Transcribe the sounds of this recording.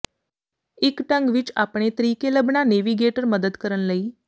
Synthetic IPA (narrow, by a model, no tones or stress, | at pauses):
ikʈəŋɡʋiːt͡ʃa̰pɳet̪ɾikeləbɳaneʋiɡeʈəɾməd̪əd̪kəɾənləiː